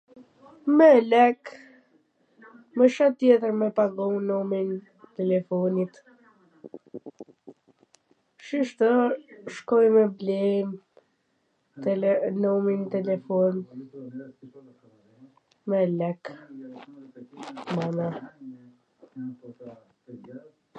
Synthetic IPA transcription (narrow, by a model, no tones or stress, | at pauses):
mɛlɛk | məʃat̪ːjɛt̪əɾmɛpaɡɔmnɔmin | t̪ɛlɛfɔnit̪ | ʃiʃt̪əʃkɔjmɛblɛm | t̪nɔmint̪ɛlɛfɔn | mɛlɛk | mana